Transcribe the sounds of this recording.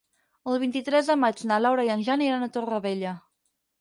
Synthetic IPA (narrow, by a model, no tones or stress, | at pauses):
əlˠβ̞int̪it̪ɾɛzðəmad͡ʒnalawɾajiənʲʒaniɾanət̪orəβeʎə